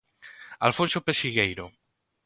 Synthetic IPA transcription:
alfõnsopeʃiɣejɾo

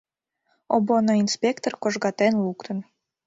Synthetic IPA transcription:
obonoinspʲekt̪orkoʒɣɑt̪enlukt̪ən

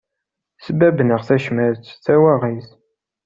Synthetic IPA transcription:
səbæbnəʁθæʃmæɾt͡sːθæwæʁiθ

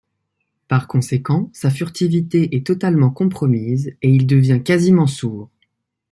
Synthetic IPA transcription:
paʁkɔ̃sekɑ̃safyʁt̪ivit̪eʔɛt̪ɔt̪almɑ̃kɔ̃pχɔmiːzeild̪əvjɛ̃kazimɑ̃suːʁ

